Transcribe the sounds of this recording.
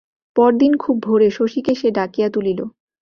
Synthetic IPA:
pɔɾd̪inkʰubʱoɾeʃoʃikeʃeɖakijat̪ulilo

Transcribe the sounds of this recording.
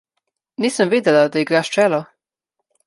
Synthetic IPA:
niːsəmviːd̪ɛlad̪aiɡɾaːʃt͡ʃɛːlɔ

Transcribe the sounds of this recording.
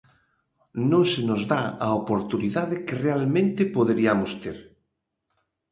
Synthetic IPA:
nõŋsenozðaaopoɾt̪uniðaðekerealmẽnt̪epoðeɾiamost̪eɾ

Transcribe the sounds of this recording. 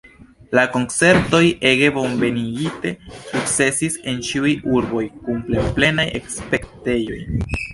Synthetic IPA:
lako̞nt͡se̞ɾto̞je̞ɡe̞bo̞nve̞niɡite̞suk̚t͡se̞sise̞nt͡ʃiujuɾbo̞jkumple̞ple̞najḛkspe̞kte̞jo̞̰j

